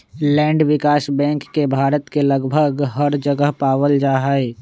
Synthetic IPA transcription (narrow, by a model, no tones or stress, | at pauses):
lɛ̃ːɳɖwɪkaːsbɛ̃ːŋkːebʱaːɾət̪keləɡbʱəɡɦəɾd͡ʒəɡəɦpaːwəld͡ʒaːɦəe